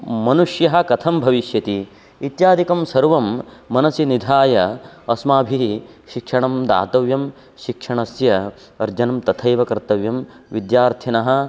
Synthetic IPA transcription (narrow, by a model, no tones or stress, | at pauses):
mɐnuʂjɐɦɐ̆kɐt̪ʰɐmbʱɐʋiʃjɐt̪i | it̪jaːd̪ʱikɐmsɐɾʋɐmːɐnɐsjinid̪ʱaːjɐɐsmaːbʱi | ʃikʂɐɳɐmd̪a̰ːt̪ɐʋjɐm | ʃikʂɐɳɐsjɐ | ɐɾd͡ʒɐnɐmt̪ɐt̪ʰɐjʋɐkɐɾt̪ɐʋjɐm | ʋid̪jaːɾt̪ʰjɐnɐɦɐ̆